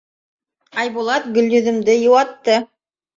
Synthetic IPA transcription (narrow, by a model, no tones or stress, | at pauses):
ɑjbulˠɑt̪̚ɡɵ̆lʲj̪ɵ̆ðɵ̆md̪ɘjɤ̆wɑt̪ːɤ